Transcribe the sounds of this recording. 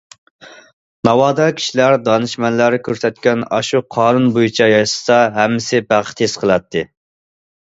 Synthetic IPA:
nɑwɑːd̪ɑkʲʰi̥ʃilæɾd̪ɑnɨʃmɛnlæɾkʲʰøɾsɛt̪kʲɛnɑ̰ʃuqʰɑːnunbojit͡ʃʰɑjɑjsɨ̥sɑɦɛmːɪsɪbæʁ̥t̪ʰesqʰəlˠɑt̪ʰːɨ

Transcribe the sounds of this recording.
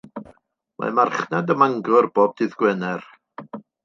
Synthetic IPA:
mʔa̰marχnadəmaŋɡʊrboːb̚dɨðɡ̥wɛnɛr

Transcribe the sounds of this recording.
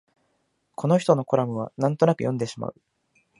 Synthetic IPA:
kʰo̞no̞çi̥t̪o̞no̞ko̞ɾamɯ̟β̞anãnt̪o̞nakɯ̟̰jõnd̪e̞ɕima̰ɯ̟

